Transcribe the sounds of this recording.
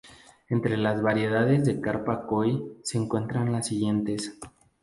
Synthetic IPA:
e̞nt̪ɾe̞lazβaɾje̞ð̞aðe̞zðe̞kaɾpakojse̞ːŋkwe̞nt̪ɾanlasːiɣje̞nt̪e̞s

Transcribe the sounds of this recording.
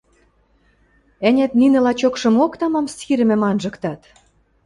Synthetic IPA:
ænʲæt̪ninɘ̆lɑt͡ɕokʃɤ̆mokt̪ɑmɑmsiɾɘ̆mĕmɑnʒɤ̆kt̪ɑt̪

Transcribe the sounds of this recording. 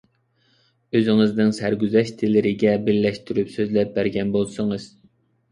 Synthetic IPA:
øzɪŋɪznɪŋsæɾɡʲyzɛʃt̪ʰɪlɪɾɪɡʲɛbɪɾlɛʃt̪ʰyɾypsøzlɛp̚bæɾɡʲɛnbolˠsɨŋɨz̥

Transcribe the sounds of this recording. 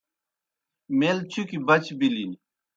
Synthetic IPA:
meːlt͡ɕʰukibɐt͡ɕbilini

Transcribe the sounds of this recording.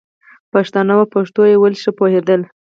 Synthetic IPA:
paʂt̪ɑnawapaʂt̪ojewəlʃəpohed̪əl

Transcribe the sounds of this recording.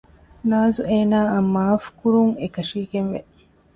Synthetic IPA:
naːzueːnaːɐmːaːfkuɾuŋekɐʃiːɡenʋe

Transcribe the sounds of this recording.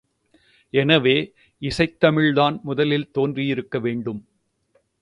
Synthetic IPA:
ɛnɐʋeː | ɪsɐɪt̪ːɐmɪɻðaːnmʊðɐlɪlt̪oːndrijɪɾɯkːɐʋeːɳɖɯm

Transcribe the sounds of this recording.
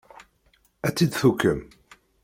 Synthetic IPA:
æt͡sːid̪θukːəm

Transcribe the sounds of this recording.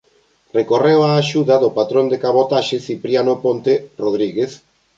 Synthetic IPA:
rekorewaːʃuðaðopat̪ɾõnd̪ekaβot̪aʃeθipɾjanopont̪eroðɾiɣeθ

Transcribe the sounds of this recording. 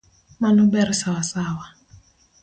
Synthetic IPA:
manubɛɾisawasaːwa

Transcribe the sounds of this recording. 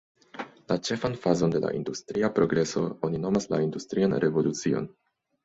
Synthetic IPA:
lat͡ʃe̞fanfazo̞nde̞la̰ʔḭndustɾiapɾo̞ɡɾe̞so̞̰o̞nino̞masla̰industɾianɾʔe̞vo̞lut͡sio̞̰n

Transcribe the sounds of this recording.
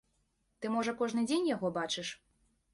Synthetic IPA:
t̪ɨmɔʐɐkɔʐnɨd͡zʲenʲjaɣɔbat͡ʂɨʂ

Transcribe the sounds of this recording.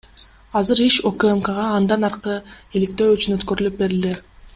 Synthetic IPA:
ɑzɯɾeʃokemkəʁɑːnd̪ɑnɑɾqɯilik̚t̪e̞ːyt͡ʃynø̞t̪kø̞ɾylyp̚be̞ɾile

